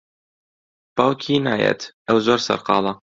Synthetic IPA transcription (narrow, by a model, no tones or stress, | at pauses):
b̥ɑːwkʰinaːjɛ̰t̪ʰʔəwzoːɾsɐ̰ɾqɑ̰ːlˠɐ